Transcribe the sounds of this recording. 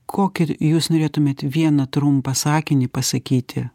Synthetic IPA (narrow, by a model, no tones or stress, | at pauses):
kʰoːkʲɪjuːsnoːɾʲeːt̪ʊmʲeːt̪ʋʲiɛnɐt̪ɾʊmpɐsɑːkʲɪnʲɪpɐsɐkʲiːt̪ʲɪ